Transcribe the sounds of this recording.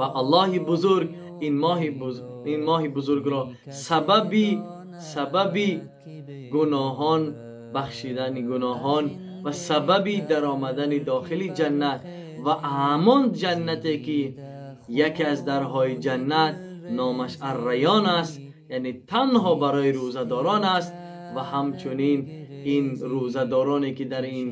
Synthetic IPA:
vaʔalˠːɔhibuzuɾɡ | inmɔɦi | inmɔːɦibuzuɾɡɾɔ | sababi | sababi | ɡunɔːɦɔn | baχʃid̪aniɡunɔɦɔn | vasababid̪aɾɔːmad̪anid̪ɔχilid͡ʒanːat̪ | vahamɔnd͡ʒanːat̪eki | jakiazd̪aɾɦɔid͡ʒanːat̪̚ | nɔːmaʃarːajɔnast̪ | janet̪ʰanɦɔbaɾɔiɾuzad̪ɔːɾɔnast̪ | vahamt͡ʃʰunin | inɾuzad̪ɔːɾɔne̞kid̪aɾin

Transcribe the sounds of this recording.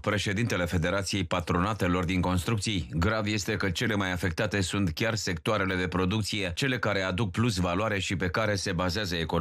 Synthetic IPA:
pɾe̞ʃe̞d̪int̪e̞le̞fe̞d̪e̞ɾat̪sije̞jpat̪ɾo̞nat̪e̞lo̞rd̪iŋko̞nst̪ɾuk̚t̪sijɡɾavje̞st̪e̞kət͡ʃe̞le̞majafe̞k̚t̪at̪e̞sunt̪kʲarse̞k̚t̪oaɾe̞le̞d̪e̞pɾo̞d̪ukt̪sije̞t͡ʃe̞le̞kaɾe̞ad̪uk̚plusvaloaɾe̞ʃipe̞kaɾe̞se̞bazeazəeko

